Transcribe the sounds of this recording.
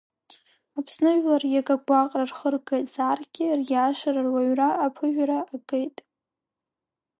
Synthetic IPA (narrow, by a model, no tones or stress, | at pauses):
apʰsnɨʒlarjaɡaɡʷaqʼrarχərɡetʼz̥aːrɡʲɪrjaːʂararwaɥraːpʰɨʒᶣaɾaːɡʼejtʼ